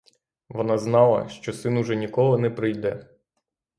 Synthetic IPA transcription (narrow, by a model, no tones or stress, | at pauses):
ʋɔnɑznɑlˠɐ̰ʃt͡ʃɔsɪnʊʒɛnʲikɔlˠɪnɛpɾɪjd̪ɛ